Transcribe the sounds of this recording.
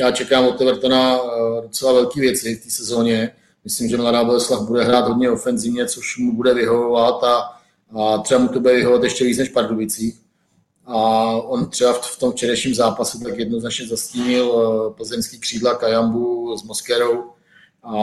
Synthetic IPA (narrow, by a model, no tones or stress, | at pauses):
jaːt͡ʃɛkaːmot̪ɛvɾt̪onadot͡sɛlavɛlkiːvjɛt͡sɪft̪iːsɛzo̞ːɲɛ | mɪslɪmʒɛmladaːbolɛslaxbudɛɦɾaːt̪ɦodɲɛofɛnzɪvɲɛt͡soʃmubudɛvɪɦovovat̪a | t̪r̥ɛbamut̪obudɛvɪɦoovat̪jɛʃcɛviːt͡snɛʃpaɾdobɪt͡siːx | aont̪r̥ɛbaft̪omft͡ʃɛɾɛjʃɲiːmzaːpasut̪akjɛdno̞znat͡ʃɲɛzasciːɲɪlpl̩zɛmskiːkr̥iːdlakajambuzmoskɛɾo̞w | a